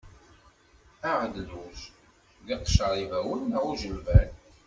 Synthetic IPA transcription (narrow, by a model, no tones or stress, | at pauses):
æʁd̪luʃ | ðiqʃəɾˤivæwənʁuʒəlvæn